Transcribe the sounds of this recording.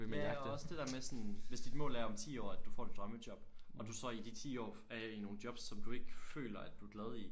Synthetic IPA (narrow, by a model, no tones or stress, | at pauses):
mndɒ̽səd̥e̝d̥ɛɐmesɒ̽nʋe̝sd̥id̥mɔ̰̽ːlæɐɒ̽mt͡sʰḭːɒ̰ːæd̥ufɒ̰ːd̥id̥ʁɶməd̥jɒ̽b̥ʔɒ̽d̥usɒ̽id̥it͡sʰḭːɒ̰ː | æino̝ːn̩̥jɒ̽b̥sːɒ̽md̥ue̝ɡ̥əfø̰ːlɐæd̥uæɡ̥lɛð̞ˠi